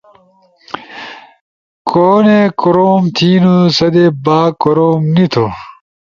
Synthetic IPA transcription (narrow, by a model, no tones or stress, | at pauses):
koːnekoɾoːmt̪ʰiːnusɐd̪ebaːkoɾoːmnit̪ʰo